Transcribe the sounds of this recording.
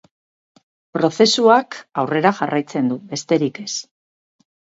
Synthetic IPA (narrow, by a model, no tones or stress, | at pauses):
pɾo̞θe̞suakawre̞ɾaʝarʔajt͡se̞nd̪ube̞st̪e̞ɾike̞s